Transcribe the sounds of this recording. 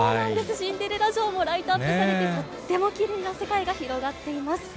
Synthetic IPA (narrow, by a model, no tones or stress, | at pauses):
soːnãnd̪e̞sɨɕĩnd̪eɾeɾaʑo̞ːmo̞ɾait̪aːt̪ːesaɾet̪emo | t̪ːe̞mo̞kʲiɾʲɯ̟nase̞kaiɡaçiɾo̞ɡat̪ːe̞imasɨ̥